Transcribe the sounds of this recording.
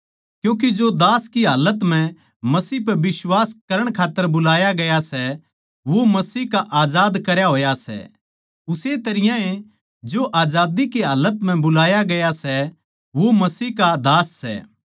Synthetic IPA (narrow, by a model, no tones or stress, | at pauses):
kjũːk̬id͡ʒod̪aːskiɦaːlət̪m̤ɛ̃ | mɐsiːp̬ɐbɪswaːskɐɾəɽ̃kʰaːt̪ːəɾbʊlaːjaɡɐjasɛ | ʋomɐsiːkaʔaːd͡ʒaːd̪kɐɾjaɦoːjasɛ̰ | ʊset̪ɐɾɪjãe | d͡ʒoʔaːd͡ʒaːd̪ikiɦaːlːət̪m̤ɛ̃bʊlaːjaɡɐjasɛ | ʋomɐsiːɦkad̪aːsːɛ̰ː